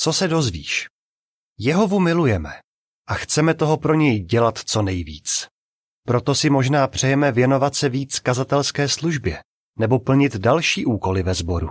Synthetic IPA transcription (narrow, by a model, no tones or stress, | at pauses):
t͡so̞sɛdo̞zvḭːʃ | jɛɦo̞vumɪlujɛmɛ | ʔaxt͡sɛmɛt̪o̞ɦo̞pɾo̞ɲɛjɟɛlat̪t͡so̞nɛjvḭːt͡s | pɾo̞t̪o̞sɪmo̞ʒnaːpr̝̥ɛjɛmɛvjɛno̞vat̪sɛviːt͡skazat̪ɛlskɛːsluʒbjɛ | nɛbo̞pl̩ɲɪt̪dalʃiːʔuːko̞lɪvɛzbo̞ɾṵ